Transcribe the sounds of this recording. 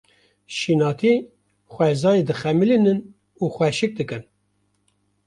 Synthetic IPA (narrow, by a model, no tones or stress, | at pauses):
ʃinɑːt̪ʰi | xʷɛzɑːjed̪ɨxɛmilinɨn | uːxʷɛʃɨk̚d̪ɨkɨn